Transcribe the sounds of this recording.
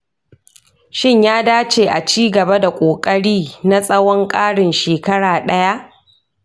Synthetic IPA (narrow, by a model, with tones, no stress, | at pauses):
ʃɪ˦ɲjaː˦daː˦t͡ʃeː˨ʔa˨t͡ʃiː˦ɡɐ˨ba˦da˨kʷʼoː˨kʼɐ˦ɽiː˦na˦sʼɐ˦wɔ˦ŋkʼaː˦ɽɪ˨nʃeː˨kɐ˦ɽaː˨ɗɐ˦ja˦ʔ